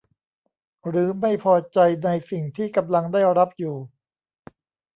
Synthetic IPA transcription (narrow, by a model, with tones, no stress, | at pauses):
ɾɯː˩˦ma˥˩jpʰɔː˧t͡ɕa˧jna˧jsi˨˩ŋt̪ʰiː˥˩ka˧mla˧ŋdaː˥˩jɾa˦˥p̚juː˨˩